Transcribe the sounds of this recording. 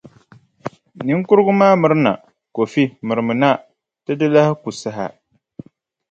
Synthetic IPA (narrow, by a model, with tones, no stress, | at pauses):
nɨ˦ŋ˦kʊ˦ɾɨ˦ɡʊ˦maː˦mɨ˨ɾɨ˦na̰˨ | ko˨fi˦mɨ˨ɾɨ˨mɨ˨na˦ | tɨ˦dɨ˦la˦hɪ˦ku˨sa˦ɦa˨